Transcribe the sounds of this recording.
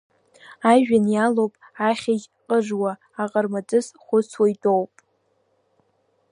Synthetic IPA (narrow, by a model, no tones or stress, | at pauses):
aʒᶣanjalowpʼaχʲaɡʲ | qʼəʐwaː | qʼərmad͡zʼɨzχʷʊt͡sʰwajdʼowpʼ